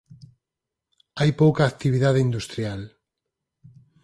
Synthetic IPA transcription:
ajpowkaːk̚t̪iβ̞iðaðeind̪ust̪ɾjal

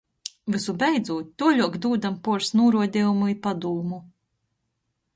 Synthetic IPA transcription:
vɨsubɛjd̪zuːt̪̚ʲːuɔʎʲuɔkd̪uːd̪ampuɔɾsnuːɾuɔd̪ʲiːjumuipad̪uːmu

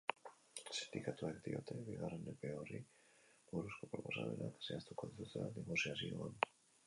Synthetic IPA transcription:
sind̪ikat̪uakd̪io̰t̪ʰeβiɣaɾenepeori | oɾuskopɾoposa̰menʔakḁseast̪ukoðet̪uθeaðimosiazioan

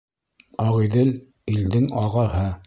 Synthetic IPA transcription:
ɑʁiðɘl | ild̪ɘŋɑʁɑɦɤ

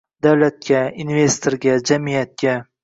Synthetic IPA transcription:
d̪awlat̪̚kʲainvest̪ʰoɾɡʲad͡ʒamijat̪̚kʲa

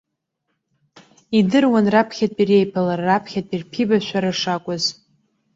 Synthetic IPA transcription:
idɨrwanrapʰχʲatʼire̞jpʰalarːapʰχʲatʼirpʰibaʃʷᶣaɾaʂakʷʼʊz

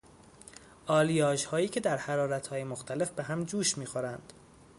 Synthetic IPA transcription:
ʔɒːlijɒːʃhɒːjiːcʰe̞d̪æɾhæɾɒːɾæt̪ʰhɒːje̞moxt̪ʰæle̞fbeɦæmd͡ʒuːʃmiːxoɾænd̪̥

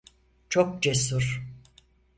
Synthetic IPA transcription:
t͡ʃʰok̚d͡ʒesuɾ

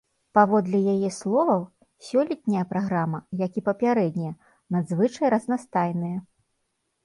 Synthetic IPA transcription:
pavɔd̪lʲɛjajɛslˠɔvɐw | sʲɔlʲit̪ʲnʲɐjɐpɾaɣɾamɐjakʲipɐpʲaɾɛd̪ʲnʲijɛ | nad̪zvɨt͡ʂɐjɾɐznast̪ajnɨjɐ

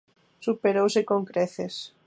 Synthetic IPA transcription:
supeɾowsekoŋkɾeθes

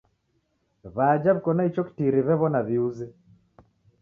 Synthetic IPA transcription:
βad͡ʒaβikɔnait͡ʃɔki̥tiɾiβɛβɔnaβiuzɛ

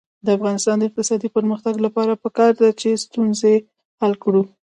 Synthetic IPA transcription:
d̪əafɣɑnɪst̪ɑnd̪əɪq̚t̪ɪsɑd̪ipəɾməxt̪aɡlapɑɾapəkɑɾd̪at͡ʃest̪unze | halkɽu

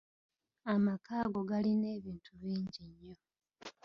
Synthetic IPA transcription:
amakaːɡo̞ɡaline̞ːβiːntʰuβiːɲɟiɲːo̞

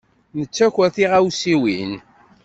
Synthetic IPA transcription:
nət͡sːæçʷæθiʁæwsiwin

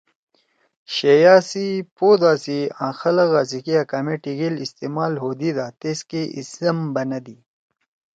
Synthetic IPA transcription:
ɕejaːsipoːd̪aːsiãːxɐlɐɣaːsikiakaːmeʈiɡelist̪emaːlɦod̪id̪aːt̪eskeʔḭsɐmbɐnɐd̪i

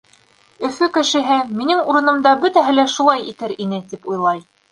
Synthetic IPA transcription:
ɵ̆fɵkɘ̆ʃɘ̆ɦɘminɘŋuɾɤ̆nɤ̆md̪ɑbɵt̪æɦɘlæʃulˠɑjit̪ɘɾinɘt̪ipujlˠɑj

